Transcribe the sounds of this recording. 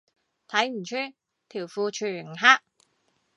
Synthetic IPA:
t̪ʰɐ˨˥jm̩˨˩t͡ʃʰyː˥ | t̪ʰiː˨˩wfuː˧t͡ʃʰyː˨˩ŋ˨ɦaː˥k̚

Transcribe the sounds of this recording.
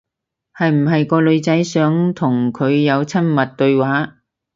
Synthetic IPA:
hɐ˨jm̩˨˩ɦɐ˨jkɔː˧lɵ˨˧ɥt͡sɐ˨˥jsœː˨˥ŋt̪ʰʊ˨˩ŋkʰɵ˨˧ɥjɐ˨˧wt͡sʰɐ˥nmɐ˨t̚t̪ɵ˧ɥwaː˨˥

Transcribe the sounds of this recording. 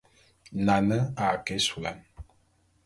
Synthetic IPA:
na˨nə˦a˨ke˦su˨la̰˨˦n

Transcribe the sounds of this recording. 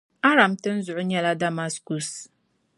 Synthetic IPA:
a˦ɾa˨mtɨ˦n̩˦zʊ˨ʔʊ˦ɲɛ˦la˦da˦ma˦sku˨s

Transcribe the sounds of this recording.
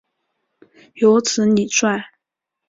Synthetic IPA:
jo˧˥ʊt͡sʰɹ̩˧˥ni˨˩swa˥˩n

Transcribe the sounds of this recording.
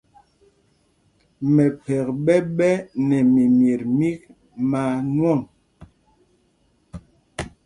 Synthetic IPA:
mɛ˨pɛ˨k̚ɓɛ˦ɓɛ˦nɛ˨mi˨mje˨ɾmi˦k̚ | ma˨nwɔ˦˨ŋ

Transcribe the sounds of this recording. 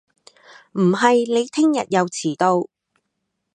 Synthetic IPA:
m̩˨˩ɦɐ˨jle˨˧jt̪ʰɪ˥ŋjɐ̰˨t̚jɐ˨˧wt͡sʰiː˨˩t̪o˧w

